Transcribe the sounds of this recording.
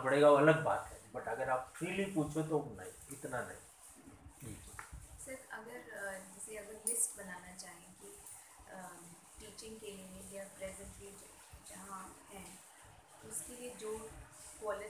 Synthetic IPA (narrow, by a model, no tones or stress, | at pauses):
bɐɽeːɡaoɐləɡ̚ba̰ːt̪ɦɛːbɐʈɐɡəɾaːpfɾiːlipuːt͡ʃʰot̪̬onaĩɪt̪nanɐ̰ɦĩ | d͡ʒiːkːsɐɾɐɡəɾd͡ʒɛːseɐɡəɾlɪsʈbɐnaːnat͡ʃaːɦẽki | ʈiːt͡ʃɪ̃ŋɡkeliejapɾɛːzə̃ɳʈɾiːʈ | jɐɦãɦɛ̃ː | ʊskelied͡ʒoː | kɔːlɪ